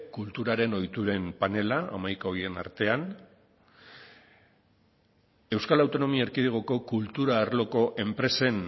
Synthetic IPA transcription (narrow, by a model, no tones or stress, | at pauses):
kult̪uɾaɾe̞no̞jt̪uɾe̞mpane̞laa̰majkao̞ɾie̞na̰ɾt̪e̞an | e̞wskalawt̪o̞no̞miaeɾkiðeɣ̞o̞ko̞kult̪uɾaːɾlo̞ko̞ʔe̞mpɾe̞se̞n